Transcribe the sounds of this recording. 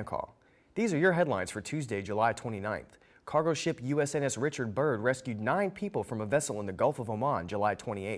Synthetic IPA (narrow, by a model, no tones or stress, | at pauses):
kʰɔ̰lˠ | ðizə˞jə˞ɦɛdˡlãɪ̃nz̥fə˞tʰʉzdeɪd͡ʒəlaɪtʰw̥ɛ̃ɾ̃inãɪ̃nθ | kʰɑɹɡoʊʃɪpjʉɛsɛ̃nɛsɹɪt͡ʃə˞d̚bɜ˞d̚ɹɛskjʉdⁿnãɪ̃npʰipl̩ˠfɹʌ̃məvɛsl̩ˠə̃nðɨɡʌlˠfʌvomɑ̃nd͡ʒəlaɪtʰw̥ɛ̃ɾ̃ieɪ